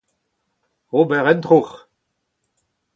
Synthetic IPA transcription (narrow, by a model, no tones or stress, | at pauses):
obɛʁɛnt̪ʁuχ